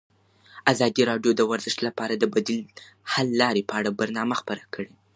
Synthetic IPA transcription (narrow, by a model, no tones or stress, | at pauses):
azɑd̪iɾɑɖjod̪əwaɾzəʂt̪lapɑɾad̪əbad̪il | halːɑɾepəaɽabaɾnɑmaxpəɾakʰəɽe